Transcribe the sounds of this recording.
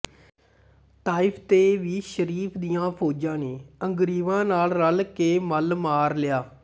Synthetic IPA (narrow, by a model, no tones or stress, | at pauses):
t̪aːɪpʰt̪eːʋiːʃəɾiːpʰd̪ijãːpʰoːd͡ʒãːneːəŋɡɾiːʋãːnaːlɾəlkeːməlmaːɾlɪjaː